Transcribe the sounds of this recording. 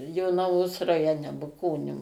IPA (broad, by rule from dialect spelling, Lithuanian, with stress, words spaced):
joːnɐˈʋoːs rɐjoːˈnʲɛ bʊˈkoːnʲuː